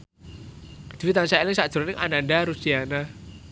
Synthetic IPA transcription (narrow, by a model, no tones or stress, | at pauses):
d̪̥iwit̪ansaɛlɪŋsad̥ɾnɪŋʔa̰naɳɖaɾusiana